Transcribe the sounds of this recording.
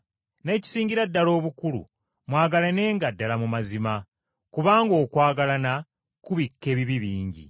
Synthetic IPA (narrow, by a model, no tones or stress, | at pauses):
ne̞ːci̥siːɲɟiɾadːalo̞ːβukulṵ | mwaːɡalene̞ːŋɡadːalamumazima | kuβaːŋɡo̞ːkwaːɡalana | kuβikːe̞ːβiβiβiːɲɟḭ